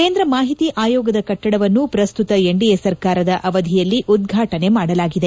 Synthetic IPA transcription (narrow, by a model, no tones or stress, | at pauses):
ke̞ːnd̪ɾɐmaːɦit̪iʔaːjɔːɡɐd̪ɐkɐʈːɐɽɐʋɐnːupɾɐst̪ut̪ɐeɳɖijesɐɾkaːɾɐd̪ɐʔɐʋɐd̪ʱijɐlːiʔud̪̚ɡʱaːʈɐne̞maːɽɐlaːɡid̪e